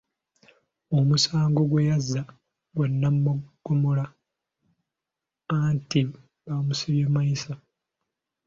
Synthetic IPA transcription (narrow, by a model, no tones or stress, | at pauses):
omusaːŋɡo̞ɡwejazːa | ɡwanːammuɡ̥umula | anti | βamusiβjemːaisa